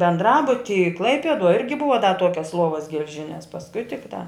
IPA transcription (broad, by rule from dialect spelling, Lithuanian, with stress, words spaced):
bʲɛndˈrɑːbʊtʲiːj ˈklˠɐɪpʲiɛduɔj ˈɪrʲɡʲɪ ˈbʊʋɐ dɐ ˈtuɔkʲɛs ˈlˠuɔʋɐs ɡʲɛlʲˈʒʲɪnʲɛs pɐsˈkʊɪ tʲɪkˈtɑː